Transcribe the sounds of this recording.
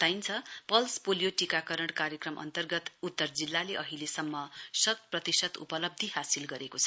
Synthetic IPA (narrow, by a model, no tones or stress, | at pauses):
t̪ajnt͡sʰʌpʌlspolijoʈikakʌɾʌɽkaɾjekrʌmʔʌ̰nt̪ʌrɡʌt̪ut̪ːʌrd͡zilːaleʔʌɦilesʌmːʌsʌt̪̚prʌt̪isʌt̪ṵpʌlʌb̚d̪ʱihasilɡʌɾekot͡sʰʌ̥